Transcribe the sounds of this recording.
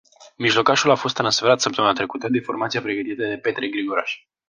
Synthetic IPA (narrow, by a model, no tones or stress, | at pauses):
miʒlo̞kaʃulafo̞s̬t̪ːɾansfeɾat̪səpt̪əmɨnat̪ɾe̞kut̪əd̪ifo̞rmat̪siapɾeɡət̪it̪əd̪e̞pe̞t̪ɾeɡɾiɡo̞ɾaʃ